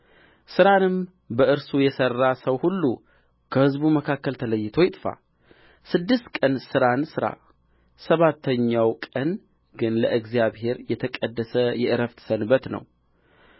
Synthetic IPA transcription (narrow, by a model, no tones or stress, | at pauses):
sɨɾanɨm | bəɨɾsujɛsərːasəwhulːu | kʰəhɨzbuməkʰakːəlt̪ʰələjːɪt̪ʰo̞jɪt̪ʼfa̰ | sɨd̪ːɨst̪kʼənsɨɾansɨɾa̰ | səβat̪ʰːəɲːawkʼən | ɡɨnləʔɨɡzijaβhe̞ɾjɛt̪ʰəkʼəd̪ːəsəjɛʔɨɾəft̪ʰsənɨbːət̪nə̰w